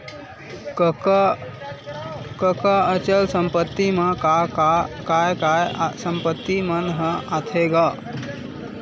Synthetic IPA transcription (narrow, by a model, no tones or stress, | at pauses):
kəkaət͡ʃəlsə̃mpət̪ːimɐ | kajajsəmpət̪ːimənɦəat̪ʰeɡaː